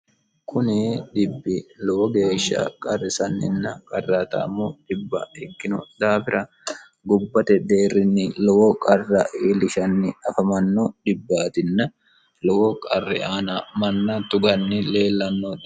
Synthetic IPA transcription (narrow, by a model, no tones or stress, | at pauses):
kʰʊnɪd̪ɪbːɪlɔwɔɡe̞ːʃːɐ̰kʼɐrːɪsɐnːɪ̰nːɐkʼɐrːaːt̪ɐ̰ːmːɔd̪̥ɪbːɐ̰ɛkːɪnʊ̰d̪aːfɪɾʔɐ | ɡʊbːɐt̪ɛd̪eːrːɪnːɪlɔwɔkʼɐrːɐʔiːlɪʃɐnːɪɐfɐmɐnːɔd̪ɪbːaːt̪ɪnːɐ | lɔwɔkʼɐrːɛ̰aːnɐmɐnːɐt̪ʊɡɐnːɪle̞ːlːɐnːɔ